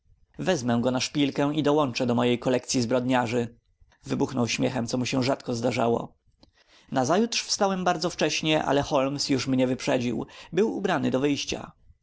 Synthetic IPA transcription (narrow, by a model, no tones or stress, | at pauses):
vɛzmɛ̃ɡɔnaʂpʲilkɛ̃id̪ɔwɔnt͡ʂɛd̪ɔmɔjejkɔlɛk̚t̪sʲjizbɾɔd̪ɲaʐɘ | vɘbuxnɔwɕmʲjɛxɛmt̪sɔmuɕɛ̃ʐat̪kɔzd̪aʐawɔ̰ | nazajut̪ʂfst̪awɛmbaɾd̪zɔft͡ʂɛɕɲɛʔa̰lɛxɔlmsjuʂmɲɛvɘpʂɛd͡ʑḭwbɘwṵbɾanɘd̪ɔvɘjɕt͡ɕa̰